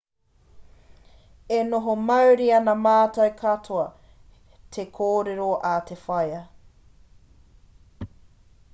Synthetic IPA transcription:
enoɦomɐwɾiɐnɐmaːtɐjkʰɐtʰoɐ | tʰekʰoːɾeɾoʔatʰefɐjɐ

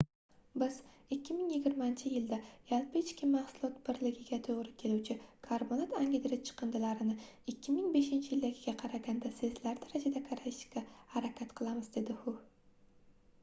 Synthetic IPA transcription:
bɪzɪkʲʰːɪmɪŋjɪɡʲɪɾmant͡ʃʰɪjɪld̪ajalˠpɪɪt͡ʃkʲɪmahsʊlˠɒt̪bɪɾlɪɡʲɪɡʲat̪ʰoʁɾɪkʲʰe̞luwt͡ʃʰɪkʰaɾbonat̪aŋɡʲɪd̪ɾɪt͡ʃʰɨ̥qɨnd̪ɪlaɾɪnɪɪkʲʰːɪmɪŋbe̞ʃɪnt͡ʃʰɪjɪld̪aɡʲɪɡʲaqʰɑɾaɡʲand̪asezlaɾd̪aɾad͡ʒad̪akʰaɾajɪʃkʲahaɾakʲʰat̪qʰɨlˠamɪzd̪e̞d̪ɪhʊ

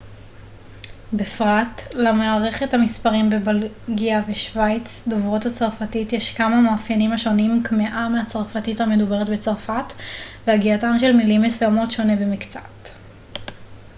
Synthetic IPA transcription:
befʁatlamaːʁe̞χe̞thamispaʁimbebal | ɡiaveʃvajt͡sdovʁo̞that͡saʁfatitjeʃkamamaːfjanimhaʃo̞nimkmeʔameat͡saʁfatithame̞dube̞ʁetbet͡saʁfatveaɡiatanʃelmilimesvemo̞tʃo̞ne̞bemikt͡sat

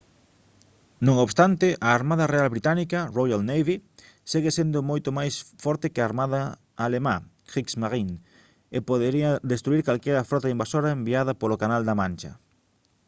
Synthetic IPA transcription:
nõŋoβst̪ant̪ɪʔaːɾmaðɐrealβɾit̪anikɐrojalnejβi | seɣesend̪ʊmojt̪omajsfɔɾt̪ɪkɪaːɾmaðɐ | alema | iksmaɣin | epoðeɾiɐd̪est̪ɾuiɾkalkɛɾɐfɾɔt̪aimbasoɾaembiaðɐpolokanald̪amãnt͡ʃɐ̰

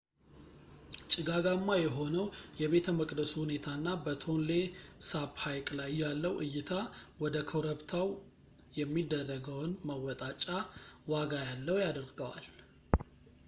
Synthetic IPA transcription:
t͡ʃʼɪɡaɡamːajɛɦo̞nəwjɛβe̞t̪ʰəməkʼd̪əsuhune̞t̪ʰanːabət̪ʰo̞nle̞saβhajkʼlajːalːəwʔɨ̰jːɪt̪ʰawɔd̪əkʰowɾəβt̪ʰaw | jɛmːid̪ːərːəɡəwnməwɔt̪ʼat͡ʃʼːawaɡajalːəwjad̪əɾɡəwa̰l

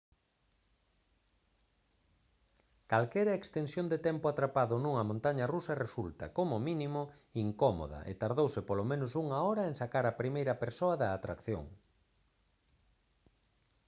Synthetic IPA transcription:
kalkɛɾɐekst̪ensjond̪et̪ɛmpʊat̪ɾapaðʊnũŋɐmõnt̪aɲɐrusɐresult̪ɐkomʊmĩnimo | iŋkɔmo̰ðɐ̰ʔḛt̪aɾðowsɪpolomẽnʊsuŋaɔɾɐeŋsakaɾɐpɾimejɾɐpeɾsoɐðɐːt̪ɾakθjo̰ŋ

